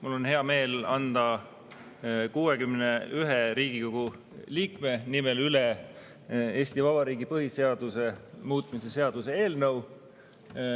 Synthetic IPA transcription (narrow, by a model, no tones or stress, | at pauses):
mulːo̞nɦe̞ɑme̞ːlɑnd̪̥ɑ | kuːekymneyɦeɾiːɡ̥iko̞ɡ̥u | liːkme̞nimelyle | e̞ːst̪ivɑbɑɾiːɡipɤɦise̞ɑd̪̥use̞muːt̪ˑmise̞se̞ɑd̪̥use̞e̞ːlnəw